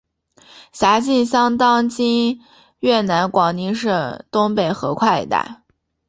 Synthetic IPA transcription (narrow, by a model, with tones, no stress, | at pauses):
ɕja˧˥t͡ɕi˥˩nɕjɑ˥ŋt̪ɑ˥ŋt͡ɕi˥n | ɥɛ˥˩na˧˥nkwɑ˨˩ŋni˧˥ŋʂɤ˥˩ŋt̪ʊ˥ŋpe˥˩ɪxɤ̰˧˥kʰwa˥˩ɪḭ˧˥t̪a̰˥˩ɪ